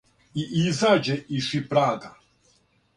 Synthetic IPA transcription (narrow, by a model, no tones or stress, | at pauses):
iʔizad͡ʒɛiʂipɾaɡa